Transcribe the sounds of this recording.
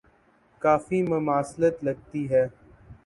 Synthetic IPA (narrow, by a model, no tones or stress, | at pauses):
kaːfimʊmaːslət̪lɐɡ̚t̪iɦɛː